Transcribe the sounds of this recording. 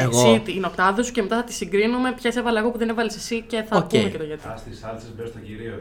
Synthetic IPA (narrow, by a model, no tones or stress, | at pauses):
eɣosit̪iːno̞kt̪ɐðesucemet̪ɐθɐt̪i̥siŋɡɾinume̞pçɐse̞vɐlɐeɣo̞puðenevɐlisesice̞θɐpumecet̪oʝɐt̪ist̪isɐlsezbeɾst̪ɐciɾio